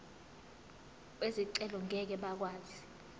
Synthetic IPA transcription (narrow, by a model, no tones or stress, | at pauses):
eziǀɛlɔŋʱɛk̬ɛɓak̬waːzi